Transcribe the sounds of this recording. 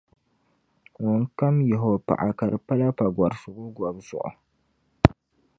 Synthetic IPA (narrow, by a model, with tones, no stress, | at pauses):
ŋɔ˨ŋka˦mjɛ˨ɦo˨pa̰˨ʔa˨ka˨ɾɨ˨pa˦la˦pa˨ɡwa˨ɾsʊ˨ɡʊ˦ɡwa˨bzʊ̰˨ʔʊ̰˨